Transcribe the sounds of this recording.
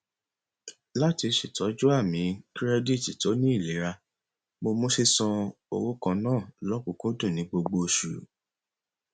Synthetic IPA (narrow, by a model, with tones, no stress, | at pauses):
la˦ti˧ʃi˨tɔ˨˦d͡ʒu˦a˦˨mĩ˨˦kɾɛ˦di˦˨ti˨to˨˦nĩ˦i˦˨le˨˦ɾa˧ | mo˧mũ˦ʃe˦sɔ̃˧o̰˧wo˦kã˧nãː˦˨lɔ˦kũ˧˨kũ˦dũ˦˨nĩ˨˦ɡ͡bo˧ɡ͡bo˧ʃṵ˨